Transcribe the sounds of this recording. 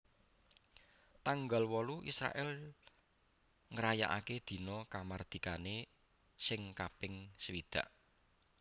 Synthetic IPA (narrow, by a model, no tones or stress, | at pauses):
t̪aŋɡalwɔluʔisɾa̰ʔɛl | ŋəɾaja̰ʔa̰ked̪̥i̤nɔkamard̪̥i̤kane | sɪŋkapɪŋsəwid̪̥a̤̰ʔ